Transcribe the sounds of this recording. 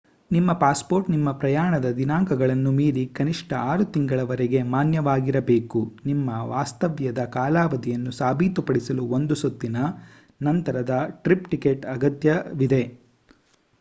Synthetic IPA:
nimːɐpaːspo̞ːɾʈnimːɐpɾɐjaːɳɐd̪ɐd̪inaːŋkɐɡɐɭɐnːumiːɾikɐniʂʈɐaːɾut̪iŋɡɐɭɐʋɐɾɛɡe̞maːnjɐʋaːɡiɾɐbe̞ːkunimːɐʋaːst̪ɐʋjɐd̪ɐkaːlaːʋɐd̪ijɐnːusaːbʱiːt̪upɐɽisɐluo̞nd̪usɐt̪ːinɐ | nɐnt̪ɐɾɐd̪ɐʈɾipʈikeʈɐɡɐt̪jɐʋid̪e̞

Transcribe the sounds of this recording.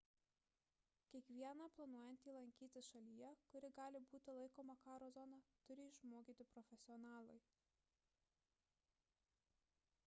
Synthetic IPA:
kʲiɛkʋʲiɛnɑplˠɐnuɔjɛnt̪ʲiːlˠɐŋʲkʲiːt̪ʲɪsʃɐlʲijɛkʊɾʲɪɡɑːlʲɪbuːt̪ʲɪlˠɐɪkoːmɐkɑːɾoːzɔnɑt̪ʊɾʲɪɪʃmoːkʲiːt̪ʲɪpɾɔfʲɛsʲɪɔnɑːlˠɐɪ

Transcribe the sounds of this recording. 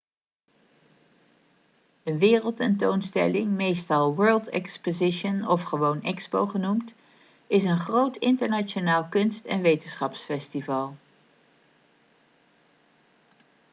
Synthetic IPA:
ənʋɪːrəlˠtɛntownstɛ̰lɪŋmejstɑlˠʋɜːlˠtɛ̰kspozɪʃənɔfχəʋownɛkspo̰wχənumt | ɪsənχrowtɪntəɹnat͡ʃonaːlˠkɵnstɛ̰nʋejtənsχɑpsfɛstivɑlˠ

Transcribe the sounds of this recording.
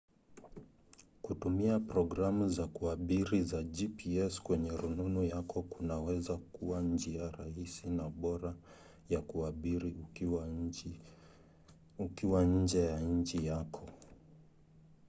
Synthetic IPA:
kutumiapɾɔɡɾamuzakuaɓiɾizad͡ʒipiɛskwɛɲɛɾununujakɔkunawɛzakuwand͡ʒiaɾahisinaɓɔɾa | jakuaɓiɾi | ukiwaɲ̩d͡ʒɛjaɲ̩d͡ʒijakʰɔ

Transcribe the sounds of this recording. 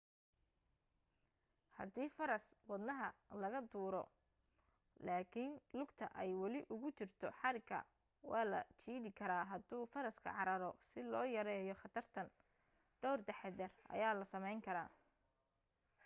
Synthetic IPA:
hɐ̰d̪iːfɐɾɐswɑd̪nɐɦɐlɐɣɐd̪uːɾɔ̰ | laːkʰɪnlʊɡt̪ʰɐʔɛjwɑlɪʔʊɣʊt͡ʃɪrt̪ʰɔħɑɾɪkʰːɐ̰ | wɑːlɐ̰t͡ʃʰiːðɪkʰɐɾaːɦɐd̪uːfɐɾɐskʰɐ̰ʕɑɾɐɾɔsɪlɔːjɐɾɛːjɔχɑt̪ʰɐrt̪ʰɐn | ɖ̥ɔwrd̪ɛħɛd̪ɛrɐ̰jaːlɐsɐmɛjŋkʰɐɾa̰ː

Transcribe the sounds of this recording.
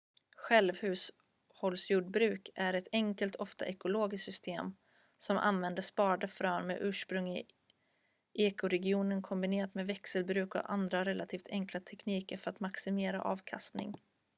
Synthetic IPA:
ɧɛlvhʉ̟ːs | hɔlsjuːɖbɾʉ̟ːkʰæɾɛt̪ɛŋkəlt̪ʰɔft̪a̰ʔɛkʊloːɡɪssʏst̪ʰeːm | sɔmʔa̰nvɛnd̪əʂpɑːɖəfɾœːnmḛʔʉ̟ːʂpɾɵŋɪ | ʔeːkʊɾɛɡɪuːnənkʰɔmbɪneːɾat̪meːvɛksəlbɾʉ̟ːkɔ̰ʔand̪ɾaɾɛlat̪ʰiːft̪ʰɛŋklat̪ʰɛkniːkəɾfœɾat̪maksɪmeːɾa̰ʔɑːvkʰa̰st̪nɪ̰ŋ

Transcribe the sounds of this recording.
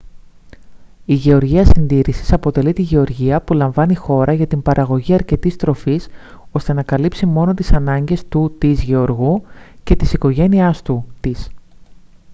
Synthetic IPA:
iʝe̞o̞ɾʝiɐsind̪iɾisi̥sɐpo̞t̪e̞lit̪iʝe̞o̞ɾʝiɐpulɐɱvɐnixo̞ɾʔɐʝɐt̪imbɐɾʔɐɣo̞ʝiɐɾce̞t̪ist̪ɾo̞fis | o̞st̪e̞nɐkɐlipsimo̞no̞t̪isɐnɐɲɟe̞st̪ut̪izʝe̞o̞ɾɣuce̞t̪isiko̞ʝe̞niɐst̪ut̪is

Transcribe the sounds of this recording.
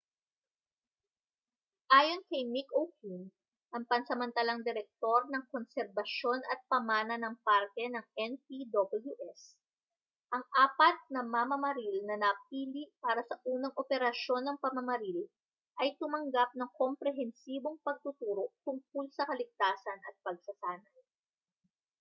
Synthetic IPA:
ʔaːjo̞nkɐjmikowkʰun | ʔɐŋpɐnsɛmɐnt̪ɐlaŋd̪ɛɾɛk̚t̪o̞ɾnɐŋkonsɛɾbɐʃo̞nʔɐt̪̚pɐmaːnɐnɐŋpaɾkɛnɐŋɛnpid̪obɐljuʔɛs | ʔɐŋʔaːpɐt̪̚nɐmɐmɐmɐɾilnɐnɐpiːliʔpaːɾɐsɐʔuːnɐŋʔopɛɾɐʃo̞nːɐŋpɐmɐmɐɾil | ʔɐjt̪ʊmɐŋɡap̚nɐŋkompɾɛɦɛnsiːbo̞ŋpɐɡ̚t̪ʊt̪uːɾo̞t̪ʊŋk̚ʊlsɐkɐlɪɡ̚t̪aːsɐnʔɐ̰t̪̚pɐɡ̚sɐsaːnɐj

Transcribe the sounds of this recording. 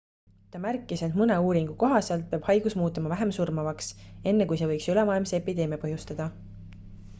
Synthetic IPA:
t̪ɑmærkːˑise̞nmɯne̞uːɾiŋɡ̥uko̞ɦɑselt̪̚peɑb̥hɑjɡ̥usmuːt̪ːˑɑmɑvæɦe̞msurmɑvɑkse̞nːekujse̞vɤ̞jksylemɑːjlmseepid̪e̞ːmjepɤɦjust̪ɑd̪̥ɑ

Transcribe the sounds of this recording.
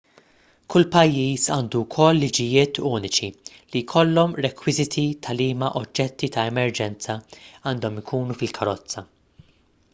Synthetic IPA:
kʰʊlpɐjːiːsɐːnd̪ukʰɔlːɪd͡ʒɪjɪːt̪ʰʊːnɪt͡ʃi | lijkʰɔlːɔmɾɛkwɪzɪt̪ʰit̪ʰɐliːmɐʔɔd͡ʒːɛt̪ːit̪ɐɛmɛɾd͡ʒɛnt͡sɐɐːnd̪ɔmɪkʰuːnufɪlkʰɐɾɔt͡sːɐ

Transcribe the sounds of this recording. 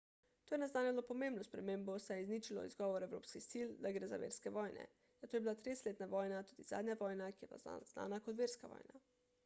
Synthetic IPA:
t̪oːjɛnɛznaːnɛlopɔmẽmbnɔspɾɛmẽːmbɔsɛjɛizniːt͡ʃilɔ̰ḭzɡɔːʋɔɾɛwɾo̰ːpskixsild̪aɡɾeːza̰ʋḛːɾskɛʋɔːjnɛ̰ | zat̪oːjebilat̪ɾeːst̪leːt̪naʋɔːjnat̪uːd̪iz̥a̰ːd̪ɲʲaʋɔːjnakijɛba̰zna̰ːnakɔt̪ʋeːɾskaʋɔ̰ːjna

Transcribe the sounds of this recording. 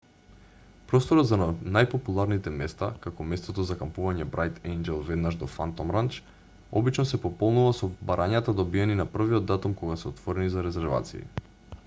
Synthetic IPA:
pɾɔst̪oɾɔt̪zanajpopulˠaɾnit̪ɛmɛst̪akakɔmɛst̪ot̪ɔzakampuvaɲɛbɾajt̪ɛnd͡ʒɛlˠvɛd̪naʒd̪ɔfant̪ɔmɾant͡ʃ | ɔbit͡ʃnɔsɛpɔpɔlˠnuvasobaɾʔaɲat̪ad̪obiɛninapr̩viɔd̪ːat̪umkoɡasɛɔt̪vɔɾɛnizaɾɛzɛɾva̰t̪sḭḭ

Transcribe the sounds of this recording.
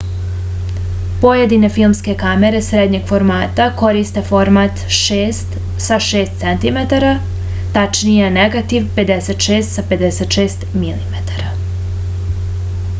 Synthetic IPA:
po̞jed̪inefilˠmske̞kame̞ɾe̞sɾed̪ɲeɡ̥fo̞ɾmaːt̪ako̞ɾist̪e̞fo̞ɾmat̪ʃeːst̪ | saʃeːst̪sent̪imet̪aɾa | t̪at͡ʃnijeneɡat̪iʋpe̞d̪eset̪ʃeːst̪sape̞d̪eset̪ʃeːst̪milimet̪ḁɾa

